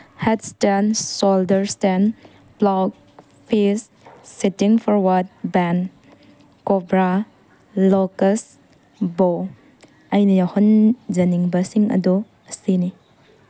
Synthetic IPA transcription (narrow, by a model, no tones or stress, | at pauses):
hetstensoldɐɾsten | plak̚ | pʰisː | itiŋpʰɔɾwat̚bɛn | kobɾa | lokɐs | bo | ɐjnɐjahɔnd͡ʒɐniŋbɐsiŋɐ̰du | ɐsini